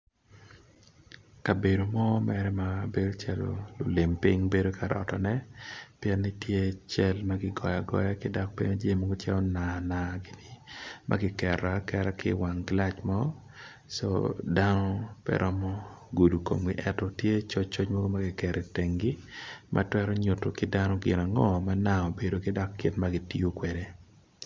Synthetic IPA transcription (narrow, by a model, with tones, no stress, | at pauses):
ka˨be˨do˨mɔ˦mɛɾɛ˦mabe˦do˦t͡ʃɛ˨l̰lʊ˨lɪ˨mpɪŋbe˦do˦kʰa˨ɾɔ̰˨tɔnɛ˦pjɛ˦nːɪ˦tje˦t͡ʃɛlmaɡɪ˦ɡɔ˨ja˨ɡɔ̰˦ja˦kɪ˦da˦k̚pe˦ɲo˦d͡ʒe˦mɔ˦ɡo˦t͡ʃɛ˦ɔ˦nana˨ɡɪ˦nɪ˨mʔa̰ɡɪ˦kɛɾakɛ˦ɾa˦kɪ̰˦wa˨ŋɡla˦t͡ʃmɔ˦ | so̰da˦nɔ˦pɛ̰ɾʔɔ˦mɔ˦ɡu˨du˨ko̰˨mɡɪ˦ʔɛ˦tɔ˨tje˦t͡ʃo˦t͡ʃːo˦t͡ʃmɔ˦ɡo˦ma˦ɡɪ˨kɛ˨ɾɪ˨tɛ˨ŋɡɪ˦mʔa̰˦twɛ˦ɾɔ˦ɲʊ˨to˨kɪdanɔ˦ɡɪ˨na˨ŋɔ˦ma˦na˦o˨be˨do˨kɪ˦da˦kːɪ˦tmaɡɪ˨ti˦o˦kwe˨de˨